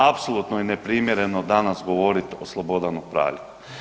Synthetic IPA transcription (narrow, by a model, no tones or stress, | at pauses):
apsolˠut̪nojinepɾimjeɾe̞no̞d̪anasɡo̞ʋo̞ɾit̪oslˠobo̞d̪anopɾa̰ːʋʎʲi